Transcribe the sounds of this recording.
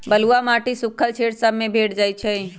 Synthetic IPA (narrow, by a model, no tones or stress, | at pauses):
bəluamaːʈisʊkʰəlt͡ʃʰeːʈsəbmẽbʱeːʈd͡ʒaːit͡ʃʰɛi